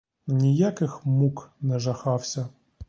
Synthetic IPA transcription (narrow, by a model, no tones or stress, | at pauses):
nʲijakɪxmuknɛʐɐxawsʲɐ